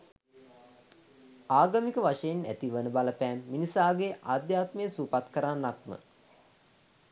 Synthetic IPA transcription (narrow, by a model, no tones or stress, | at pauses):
aːɡamikəʋaʂəjinæ̰t̪iʋənəbaləpɛːmːinisaːɡeʔaːd̪jaːt̪məjəsuːpat̪kəɾanːak̚mə̰